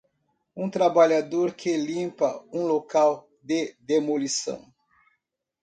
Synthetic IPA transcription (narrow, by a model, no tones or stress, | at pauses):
ũt̪ɾabaʎad̪oɾkʰelĩmpɐũlokaw | d̪ɪd̪emolisɐ̰̃w̃